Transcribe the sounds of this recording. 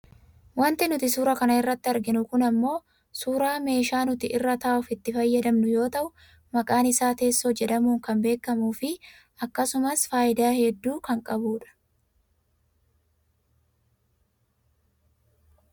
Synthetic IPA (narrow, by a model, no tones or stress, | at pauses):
wɐnt̪ɪnʊt̪ɪsuːɾɐkɐnɐɪrːɐt̪ːɪɐɾɡɪnʊkʊnɐmːo̞ː | suːɾaːme̞ːʃaːnʊt̪ɪʔɪrːɐt̪ɐːʔʊfɪt̪ːɪfɐjːɐd̪ɐmnʊjo̞ːt̪ɐʔʊ | mɐkʼaːnɪsaːt̪e̞ːsːoːd͡ʒɛᶑɐmuːŋkɐmbe̞ːkːɐmuːfɪ | ɐkːɐsʊmɐsfaːɪd̪aːhɛd̪ːuːkɐŋkʼɐbuːᶑɐ̥